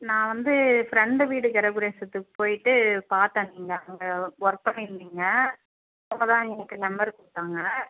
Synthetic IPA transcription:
nãːʋɐnd̪ɯfɾɛɳɖɯʋiːɽɯkɛɾɐɡɯɾeːsɐt̪ːɯkːɯ̥poːjɪʈːɯpaːɾt̪ãːniːŋɡɐɐŋɡɐɔɾpːɐmɪɾɯnd̪iːŋɡɐ | ɔmbɐt̪ãːɛnɐkːɯnɐmbɐɾkʊɽɯʈːaːŋɡɐ

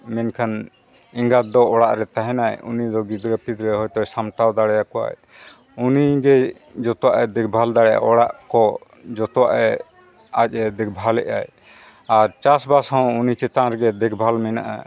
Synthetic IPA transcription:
mɛnkʰan | iŋɡat̪̚d̪ɔːɽaʔɾɛt̪aɦɛ̃najṵnid̪ɔɡid̪ɾɛpʰid̪ɾɛɦɔjt̪ɔjsamt̪awd̪aɽɛjakɔwa̰j | uniɡɛ | d͡ʒɔt̪ɔwaʔɛd̪ɛk̚ʰbʱald̪aɽɛja̰ʔɔɽaʔkɔ | d͡ʒɔt̪ɔwa̰ʔɛ | ac̚ˀɛd̪ɛk̚bʱalɛ̰ʔa̰j | aɾt͡ʃasbashɔ̃wunit͡ʃɛt̪anɾɛɡɛd̪ɛkʰbʱalmɛna̰ʔa̰

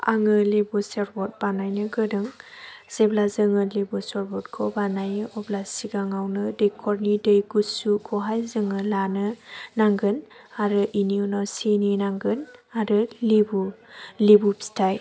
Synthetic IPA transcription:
a̰ŋɯlebuseɾbɔt̚banajnɯɡɯdɯŋz̥eblazɯŋɯlebusɔɾbɔtkʰɔbanajɯʔɔblasiɡaŋawnɯdejkʰɔɾnidejɡusukʰɔɦajzɯŋɯlanɯnaŋɡɯnaɾɯʔiniunɔsininaŋɡɯnaɾɯlibulibubstʰaj

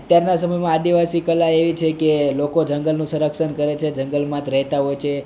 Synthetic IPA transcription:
ət̪jaɾnasəməjmãːd̪iʋasikəlːaeʋit͡ʃʰekelokod͡ʒəŋɡəlnũsəɾəkʃənkəɾet͡ʃʰed͡ʒəŋɡəlmãt̪ɾəɦt̪aɦojt͡ʃʰe

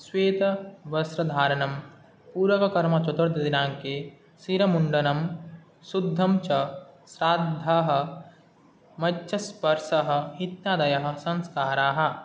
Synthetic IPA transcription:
sweːt̪ɐʋɐsɾɐd̪ʱaːɾɐnɐm | puːɾʋɐkɐkɐɾmɐt͡ʃɐt̪ɐɾd̪ɐd̪inaːŋke | siɾɐmuɳɖɐnɐm | sud̪ʱːɐmt͡ʃɐsɾaːd̪ʱːaɦɐ̆ | mɐtːʃɐspɐɾʃɐɦɐ̆it̪jaːd̪ɐjɐɦɐ̆sɐ̃nskaːɾaːɦɐ̆

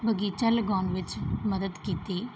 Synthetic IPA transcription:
bəɡiːt͡ʃəlɡɔ̃ːnʋɪt͡ʃməd̪əd̪kiːt̪eː

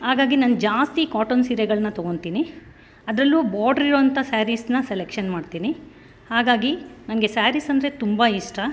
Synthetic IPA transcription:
haːɡaːɡinɐnd͡ʒaːst̪ikaːʈonsiːɾɛɡɐɭɐnːɐt̪oɡo̞ɳt̪iːni | ɐd̪ɾɐlːubaːɖɐɾiɾoːɐnt̪ʰɐsaːɾisnɐselekʂɐnmaːɖt̪iːni | haːɡaːɡinɐnɐɡe̞saːɾisɐnd̪ɾe̞t̪umbɐiʂʈɐ

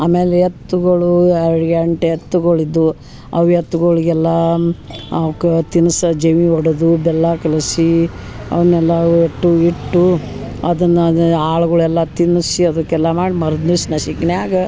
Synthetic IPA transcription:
aːmeːleet̪ːuɡɐɭuɛɾɽɡɐɳʈeɐt̪ːuɡɐɭid̪ːu | ɐʋjɐt̪ːuɡɐɭiɡɛlːɐ | ɐkɐt̪inusɐd͡ʒeʋiɔɽɐd̪ubɛlːakɐlɐsiɐ̰ʋɐnɛlːɐeʈːuiʈːuɐd̪ɐnːɐaːɭɐɡɐɭuɛlːɐt̪inːusiɐd̪ukɛlsamaːɽimɐɾɐd̪nusnɐʃikneaːɡɐ

